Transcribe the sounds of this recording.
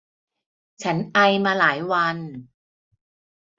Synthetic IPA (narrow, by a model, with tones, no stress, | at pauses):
t͡ɕʰa˦˥nʔa˧jmaː˧laː˩˦jwa˧n